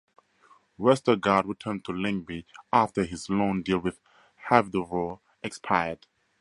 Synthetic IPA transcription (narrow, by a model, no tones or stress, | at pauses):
wɛstəɡad̚ɹitʰɜ̃ntʰulɪ̃ŋbiʔaftəɦizlõndilˠwɪð | hɛvdəɹɔl | ʔɛkspʰaɪjəd̥